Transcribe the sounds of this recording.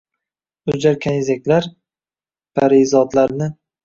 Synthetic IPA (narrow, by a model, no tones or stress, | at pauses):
ʊd͡ʒaɾkʲʰanɪzakʲlaɾ | pʰaɾizɒd̪laɾnɪ